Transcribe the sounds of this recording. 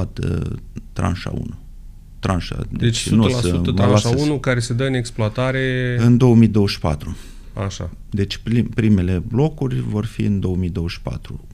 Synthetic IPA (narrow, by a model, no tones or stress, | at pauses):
t̪ə̰t̪ɾa̰nʃa̰ṵnu | t̪ɾanʃa̰d̪eet͡ʃ̪usəəaaunukaɾe̞sed̪əɨne̞ksploat̪aɾeɨnd̪o̞omijd̪o̞wəʃpa̰t̪ɾu | a̰ʃa̰ | d̪e̞t͡ʃʲpipɾime̞le̞blo̞kurʲvo̞rfḭɨnd̪o̞omid̪o̞wəʃpa̰t̪ɾu